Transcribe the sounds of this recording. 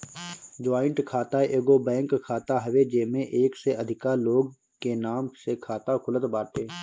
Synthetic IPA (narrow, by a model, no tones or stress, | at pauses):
d͡ʒaːɪɳʈkʰaːt̪aʔeːɡobɛ̃ːŋkkʰːaːt̪aɦəʋed͡ʒeːmẽʔeːkseəd̪ʱɪkaloːɡ̚ | kenaːmsekʰaːt̪akʰʊlət̪baːɾʈeː